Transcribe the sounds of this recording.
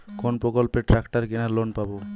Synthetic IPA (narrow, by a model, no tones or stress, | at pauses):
konpɾokɔlpeʈɾakʈaɾkinaɾlonpabo